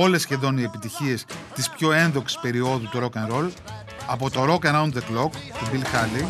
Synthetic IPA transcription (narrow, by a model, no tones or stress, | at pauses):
o̞le̞sçe̞ðo̞nie̞pit̪içie̞st̪ispço̞e̞nðo̞ksi̥spe̞ɾio̞ðut̪uɾo̞kɐnɾo̞l | ɐpo̞t̪o̞ɾo̞kɐnɐunt̪ðeklokt̪ubilxɐli